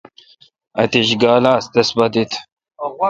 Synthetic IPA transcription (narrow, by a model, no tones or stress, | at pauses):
ɐ̰t̪iɕɡaːlaːst̪ɐsbɐt̪it̪